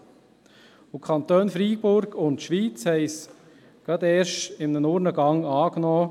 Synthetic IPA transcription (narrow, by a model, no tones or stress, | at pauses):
ʊkʰɑnt̪øːnfɾiːbʊɾɡʊntʃʋiːt͡shɛɪs | ɡ̥ɑd̪ɛːɾʃɪmnənʊːɾnəɡɑŋɑːknɔː